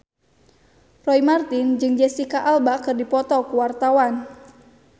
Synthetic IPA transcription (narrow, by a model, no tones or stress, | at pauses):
rɔimart̪ind͡ʒɨŋd͡ʒɛsikaʔalbakɨrdipɔt̪ɔkuwart̪awan